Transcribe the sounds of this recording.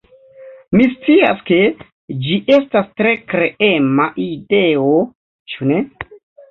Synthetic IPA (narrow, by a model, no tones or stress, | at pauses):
mist͡sia̰ske̞ | d͡ʒiʔe̞stastɾe̞kɾeʔe̞maʔide̞o | t͡ʃune̞